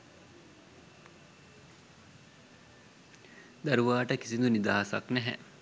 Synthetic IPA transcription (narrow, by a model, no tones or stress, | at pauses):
d̪aɾuʋaːʈəki̥sind̪unid̪aːɦasa̰knɛɦɛ̰